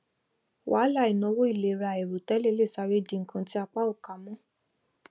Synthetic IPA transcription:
wa˨˦la˦˨i˨nɔ̃˧˦wo˦i˦˨le˨˦ɾa˧˨e˨ɾu˨tɛ˨˦le˦le˦˨sa˧ɾe˦˨di˨˧ŋ̩˦kʰã˧ti˦a˧k͡pa˦o˦˨ka˨˦mɔ̃˦

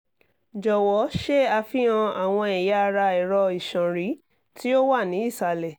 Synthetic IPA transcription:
d͡ʒɔ˨wɔ˨˦ʃe˦a˧fi˦ã˧a˨w̃ɔ̃˧ɛ˨ja˨˦˧ɾa˧ɛ˨ɾɔ˧i˨ʃɔ̃˨ɾi˨˦ | ti˦o˦wa˦˨nĩ˨˦i˦˨sa˧lɛ˨

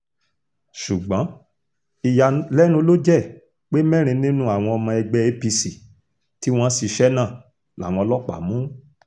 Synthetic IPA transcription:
ʃu˨ɡ͡bã˨˦ | i˨ja˧lɛ˦nũ˧˦lo˦d͡ʒɛ˦˨ | k͡pe˦mɛ̃˦ɾ̃ĩ˧nĩ˦nũ˦a˨w̃ɔ̃˧ɔ˧mã˧ɛ˧ɡ͡bɛ˧e˧pi˧si˨ | ti˦w̃ɔ̃˦si˨˧ʃɛ˦nã˦˨ | la˨˦˨w̃ɔ̃˧ɔ˧lɔ˦k͡pa̰˨mũ˨˦

